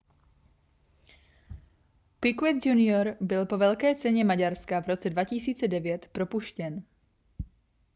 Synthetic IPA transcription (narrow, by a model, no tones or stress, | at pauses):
pɪkwɛt̪d͡ʒunɪoɾbɪlpo̞vɛlkɛːt͡sɛɲɛmaɟaɾskavɾo̞t͡sɛdvacisiːt͡sɛdɛvjɛt̪pɾo̞puʃcɛn